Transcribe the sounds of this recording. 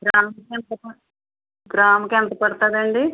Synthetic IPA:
ɡɾaːmɐkent̪ɐpɐ | ɡɾaːmɐkent̪ɐpɐɽt̪aːd̪ɐɳɖi

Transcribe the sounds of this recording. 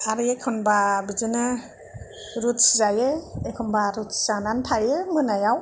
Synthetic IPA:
aɾɯekʰɔnbabizɯnɯ | ɾutszajeekʰɔnbaɾutsz̥ananpʰajɯmɯnajaw

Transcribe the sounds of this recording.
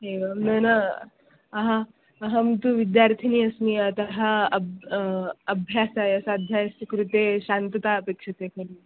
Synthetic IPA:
ɦeʋɐnɐna | ɐɦa | ɐɦɐmt̪uʋid̪jaɾt̪ʰiniɐsniɐt̪ɐɦaɐ | ɐbʱjaːsajɐsad̪ʱjajskɾut̪eɕant̪ɐt̪aɐpekʂɐt̪ekɐɾi

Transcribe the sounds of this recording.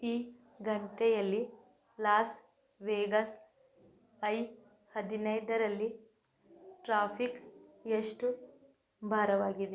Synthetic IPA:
iː | ɡɐɳʈɛjɐlːi | laːs | ʋeːɡɐs | ɐj | hɐd̪inɐjd̪ɐɾɐlːi | ʈɾaːpʰikeʂʈu | bʱaːɾɐʋaːɡid̪e

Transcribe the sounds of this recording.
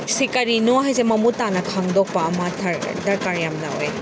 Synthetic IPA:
sikɐɾinoɦajsemɐmutanɐkʰaŋdɔk̚paːmatʰaɾdɐɾkaɾjamnɐ̰o̰j

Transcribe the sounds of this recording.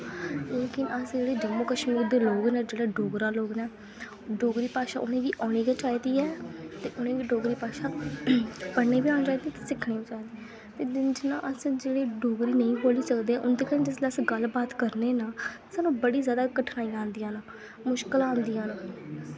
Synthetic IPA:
leːkɪnəsd͡ʒeːɽeːd͡ʒemoːkəʃmːd̪eːloːɡnɛːd͡ʒeːɽaːɖoːɡɾãːloːɡnɛː | ɖoːɡɾiːpaːʃaːʔʊnẽːʋiːʔaːɽ̃iːkat͡ʃaːiːd̪iːɛːt̪eːʔʊnẽːʋiːɖoːɡɾiːpaːʃaː | pəɽneːbiːãːnẽt͡ʃaːid̪iɛːt̪eːsɪkʰɽeːʋiːt͡ʃaːiːd̪iː | t̪eːd͡ʒɪnã̰ːʔəsd͡ʒeːɽeːɖoːɡɾiːnəĩːboːliːsəkd̪eːɛːʔʊnd̪eːkəñːd͡ʒɪsleəsɡəlbaːt̪kəɾneːnaː | saːnũːbəɽiːzjaːd̪aːkəʈʰnaːĩːãːnd̪ijãːnaː | mʊʃkəlãːnd̪ijãːna

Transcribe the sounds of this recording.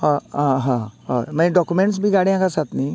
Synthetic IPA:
ɔɦãɦãɦɔmɛ̃ɖɔkumẽɳʈs̬bʱiɡaɽjãkasat̪ni

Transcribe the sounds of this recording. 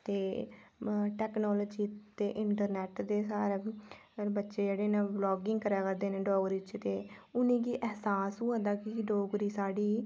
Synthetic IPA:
t̪eː | ʈɛːknɔːloːd͡ʒiːt̪eːʔɪɳʈəɾnɛːʈd̪eːsaːɾeː | bətːʃeːd͡ʒeːɽeːnãːblɔːɡɪŋɡkəɾaːkəɾd̪eːneːɖɔːɡɾiːt͡ʃt̪eː | ʊnĩːkiːʔɛɦsaːsuːəd̪aːkiɖoːɡɾiːsaːɽiː

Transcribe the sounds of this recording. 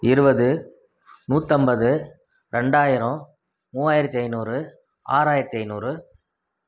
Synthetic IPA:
ɪɾɯbɐðɯ | nuːt̪ːɐmbɐðɯ | ɾɛɳɖaːjɪɾɐ̃ | muːaːjɪɾɐt̪ːiɐɪnuːɾɯ | a̰ːɾaːjɪɾɐt̪ːɪɐɪnuːɾɯ

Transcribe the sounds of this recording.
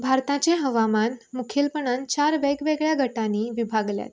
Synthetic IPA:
bʱaɾt̪ãt͡ɕeɦəʋamanmukʰilpəɳ̃ənt͡ɕaɾʋeɡʋeɡɭjaɡʱəʈaniːʋibʱaɡlja̰t̪

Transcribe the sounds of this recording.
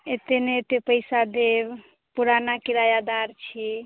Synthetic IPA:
et̪enet̪epəɪsad̪eb | puɾanakiɾajad̪aɾt͡ʃʰi

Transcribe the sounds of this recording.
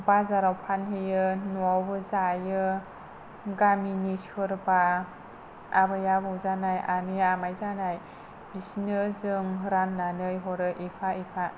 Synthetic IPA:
bazaɾawpʰanɦɯjɯnuawbɯzajɯ | ɡaminishɯɾba | a̰bɯjabɯwzanajaniamajzanaj | b̥isinɯzɯŋɦɯɾanːanɯjɦɔɾɯʔepʰaepʰa

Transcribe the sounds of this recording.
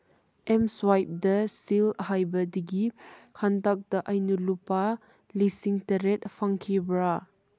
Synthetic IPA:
ʔɛmswajp̚dɐsilɦajbɐdiɡikʰantak̚dɐʔɐjnulupa | lisiŋtɐɾet̚fʰaŋkʰibɾa

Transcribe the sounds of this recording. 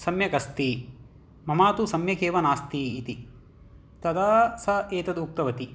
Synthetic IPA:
sɐmjɐkɐst̪i | mɐmaːt̪usɐmjɐkeːʋɐnaːst̪iːt̪i | t̪ɐd̪aːsɐeːt̪ɐd̪uk̚t̪ɐʋɐt̪i

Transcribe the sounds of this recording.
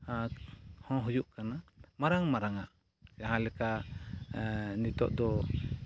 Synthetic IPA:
ahɔ̃ɦujuʔkanamaɾaŋmaɾaŋaʔ | jaɦãlɛka | nit̪ɔ̰ʔd̪ɔ

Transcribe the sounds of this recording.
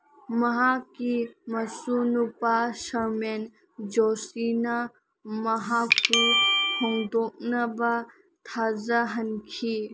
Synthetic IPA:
mɐɦakimɐsunupaʃɐɾmen | d͡ʒoːsina | mɐɦakkuhɔŋɡd̪oːk̚naba | t̪ʰaːzaɦɐnkʰi

